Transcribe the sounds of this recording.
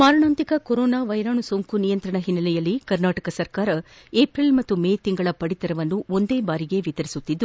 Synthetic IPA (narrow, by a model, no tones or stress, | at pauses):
maːɾɐɳaːnt̪ikɐkoɾoːnaːʋɐjɾaːɳusoːŋkunijɐnt̪ɾɐɳɐɦinːɐlɛjɐlːikɐɾnaːʈɐkɐsɐɾkaːɾɐ | eːpɾilmɐt̪ːumeːjt̪iŋɡɐɭɐpɐɽit̪ɐɾɐʋɐnːuo̞nd̪e̞ːbaːɾiɡe̞ʋit̪ɐɾisut̪ːid̪ːu